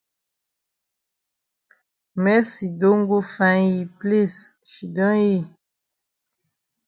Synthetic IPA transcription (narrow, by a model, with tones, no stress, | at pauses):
mɛ˦si˨do˦ŋ˦ɡo˦fã˨˦ji˨ple˦sʃi˨dɔ̃˦ji˦˨